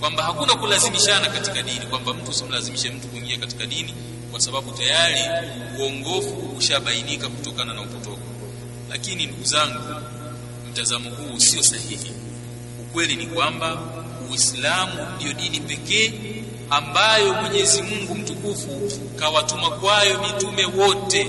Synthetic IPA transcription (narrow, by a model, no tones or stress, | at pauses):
kwambahakunakulazimiʃanakatikaɗinikwambam̩tuusim̩lazimiʃɛm̩tukuiŋɡiakati̥kaɗini | kwasaɓaɓutajaɾi | uɔŋɡɔfuuʃaɓainikakutɔkananaupɔtɔkɔ | la̰kininduɡuzaŋɡu | m̩tazamɔɦuːsiɔsahihi | ukwɛlinikwamba | wislamundijɔɗinipɛkɛː | ambajɔmuʄɛzimuŋɡum̩tukufu | kawatumakwajɔmitumɛwɔtɛ